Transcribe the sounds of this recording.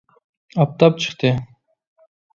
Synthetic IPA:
ɑp̚t̪ɑp̚t͡ʃʰɨ̥qt̪ɨ

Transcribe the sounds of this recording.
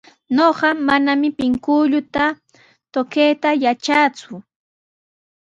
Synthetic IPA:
noɢɑmanamɪpɪŋkʊʎʊt̪a | t̪okejt̪ajat͡ʃat͡sʊ

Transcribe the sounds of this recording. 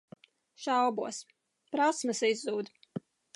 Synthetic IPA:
ʃawbuɔs | pɾasmɨsizːuːd̪

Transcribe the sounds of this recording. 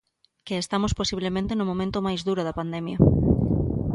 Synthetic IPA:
keːst̪amosposiβ̞lemẽnt̪enomõmẽnt̪omajzðuɾoðɐpand̪emjɐ

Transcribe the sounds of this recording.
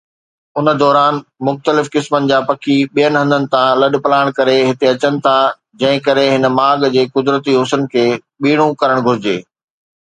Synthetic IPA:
ʊnə̆d̪ɔːɾaːnmʊxt̪əlɪfkɪsmənɪ̆d͡ʑaːpɐkʰiɓijənɪɦɐ̃nd̪ənɪ̆t̪ʰãlɐɗpɐlaːɪɽ̃kɐɾeɦɪt̪eɐt͡ɕənɪ̆t̪ʰa | d͡ʑɐ̃ɦɪ̃kɐɾeɦɪn̆maːɡd͡ʑeːkʊd̪ɾət̪iɦʊsənkʰeː | ɓiːɽ̃ũkɐɾəɽ̃ɡʱʊɾɪd͡ʑeː

